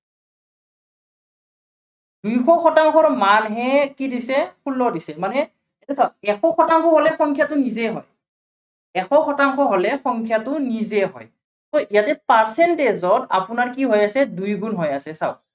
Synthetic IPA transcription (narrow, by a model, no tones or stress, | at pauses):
dujkʰɔxʰɔtaŋkʰɔɹmanɦɛkidisɛkʰulːɔdisɛmanɛ | atɛsɔɛxʰɔxʰɔtaŋkʰɔɦɔlɛxɔŋkʰjatʊnizɛɦɔ̰j | ɛxʰɔxʰɔtaŋkʰɔɦɔlɛxɔŋkʰjatʊnizɛɦɔ̰j | sɔʔijatɛpaɹsɛntezɔta̰pʊnaɹkiɦɔjasɛdujɡunɦɔjasɛsa̰ʊ